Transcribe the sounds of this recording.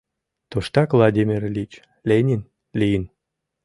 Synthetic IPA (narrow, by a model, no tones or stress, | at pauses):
t̪oʃt̪ɑkvlˠɑd̪ʲimʲirlʲit͡ɕ | lʲenʲin | lʲijən